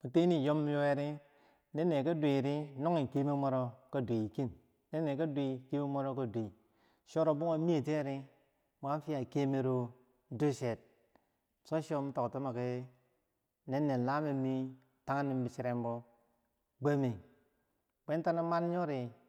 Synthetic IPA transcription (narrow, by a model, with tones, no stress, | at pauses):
mu˨te˦ni˦˨jo˦m˦jo˦e˨ɾi˦ | ne˦nːe˨ka˦de˨ɾi˦no˦ŋi˨ke˦mi˦mo˦ɾo˦ka˦dʷe˨i˨ki˦n | ne˦nːe˨ka˦dʷi˦ke˦mi˦mo˦ɾo˦ka˦˨dʷi˨ | ʃo˦ɾo˨bu˦ŋa˦mi˦e˨te˦˨ɾi˦ | m˨a˦fi˦a˨ke˦mi˨ɾo˨˦ | do˦ʃe˨t̚ | so˦ʃo˦m̩˦to˨kto˦ma˨ke˦ | ne˦nːe˨la˦me˦mi˦ | ta˦ŋa˦ni˨mbi˨si˦ɾe˦m˦bo˦ | ɡ͡be˦mi˨ | k͡pe˦n˦ta˦na˦ma˦n˦ɲo˦ɾi˨